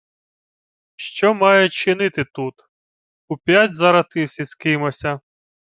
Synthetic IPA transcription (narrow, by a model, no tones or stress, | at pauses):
ʃt͡ʃɔmɑjɛt͡ʃɪnɪt̪ɪt̪ut̪ | upʲjatʲzɐɾɐt̪ɪwsʲiskɪmɔsʲɐ